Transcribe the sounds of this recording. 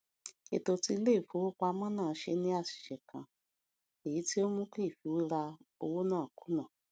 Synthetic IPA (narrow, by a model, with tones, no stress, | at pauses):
e˨to˧ti˧˦le˦i˦˨fo˨˦wo˦k͡pa˧mã˦nãː˦˨˦ʃe˧nĩ˦a˦˨ʃi̥˨ʃɛ˨kʰã˨ | e˨ji˨˦ti˦o˦mũ˦ke˦i˦˨fi˨˦wi˦ɾa˧o˧wo˦nãː˦˨ku˨˦nã˦˨